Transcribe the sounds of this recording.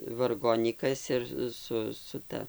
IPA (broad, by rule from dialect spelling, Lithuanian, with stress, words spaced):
ʋɐrˈɡoːnʲiːkɐs ɪr ˈsʊ sʊ ˈtɐ